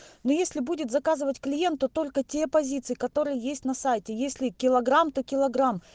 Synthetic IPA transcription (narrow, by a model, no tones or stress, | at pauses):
nojesʲlʲɪbudʲɪt̪zɐkazɨvətʲklʲɪje̞nt̪ːot̪o̞lʲkətʲepɐzʲit̪sɨjɪkɐt̪o̞ɾɨjəjesʲtʲnɐsajtʲɪjesʲlʲɪkʲɪlˠɐɡɾamt̪o̞kʲɪlˠɐɡɾam